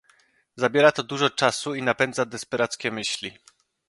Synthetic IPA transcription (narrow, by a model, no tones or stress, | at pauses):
zabʲjɛɾat̪ɔd̪uʐɔt͡ʂasuinapɛnd̪zad̪ɛspɛɾat̪skʲɛmɘɕlʲi